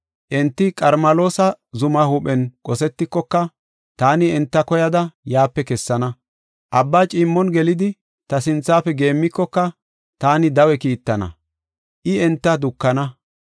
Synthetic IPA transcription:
ʔɛnt̪ːɪkʼɐɾmɐlo̞ːsɐzʊmɐhʊpʼɛnkʼɔsɛt̪ːɪkːɔkːɐ | t̪aːnɪɛnt̪ːɐkɔjɐd̪ɐjaːpːɛkɛsːɐnɐ | ʔɐbːaːt͡ʃʼiːmːɔnɡɛlɪd̪ɪ | t̪ɐsɪnt͡sːaːfɛɡe̞ːmːɪkːɔkːɐ | t̪aːnɪd̪ɐwɛkiːt̪ːɐnɐ̰ | ʔɪɛnt̪ːɐd̪ʊkːɐnɐ

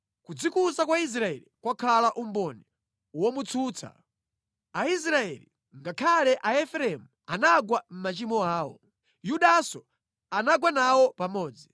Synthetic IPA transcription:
kud͡zikusakwais̬ɾaɛlikwakʰalaʔumbɔnɛ | wɔmut͡sʰuːt͡sʰa̰ | ais̬ɾaɛ̰li | ŋɡakʰalɛʔaɛfɛɾɛmuanaɡwam̩mat͡ʃimɔaːwɔ̰ | juɗasɔ | anaɡwanawɔpamɔːd͡zi

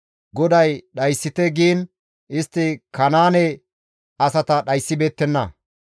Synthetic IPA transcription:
ɡɔd̪ɐjɗɐjsːɪt̪ɛɡiːn | ʔɪst̪ːɪkɐnaːnɛ | ɐsɐt̪ɐɗɐjsːɪbe̞ːt̪ːɛnːɐ

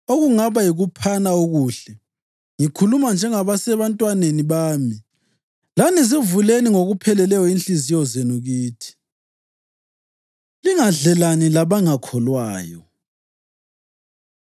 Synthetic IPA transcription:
oɣuŋaβajiɣupʰanaoɣuɬɛ | ŋikʰulumand͡ʒʱɛŋaβasɛβantʼwaneniβaːmi | lanizivuleniŋoɣupʰɛlɛlɛjɔinɬizijɔzenuɣiːtʰi̥ | liŋaɮɛlanilaβaŋakʰɔlwaːjɔ

